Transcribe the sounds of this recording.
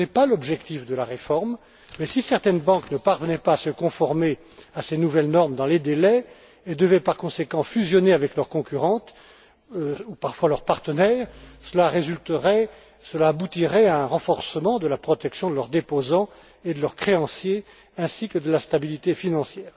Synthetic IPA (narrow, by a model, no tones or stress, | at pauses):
ɛpalɔbʒɛkt̪ifd̪əlaʁefɔʁm | mɛsisɛʁt̪ɛnbɑ̃knəpaʁvənɛpaːsəkɔ̃fɔʁme | asenuvɛlnɔʁmd̪ɑ̃led̪elɛ | ed̪əvɛpaʁkɔ̃sekɑ̃fyzjɔneavɛklœʁkɔ̃kʲyʁɑ̃t̪ | upaʁfwalœʁpaʁt̪ənɛːʁsəlaʁezylt̪əʁɛ | səlaːbut̪iʁɛaɛ̃ʁɑ̃fɔʁsəmɑ̃d̪əlapχɔt̪ɛksjɔ̃d̪əlœʁd̪epozɑ̃ | ed̪əlœʁkχeɑ̃sje | ɛ̃sikəd̪əlast̪abilit̪efinɑ̃sjɛːʁ